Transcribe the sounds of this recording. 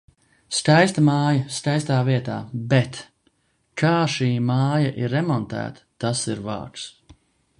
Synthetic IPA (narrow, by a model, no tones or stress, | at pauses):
skajst̪ɐmaːjɐskajst̪aːviɛt̪a̰ːbɛt̪ | kʰaːʃiːmaːjaʔiɾːɛmɔnt̪æ̰ːt̪ə̥t̪asiɾva̰ːks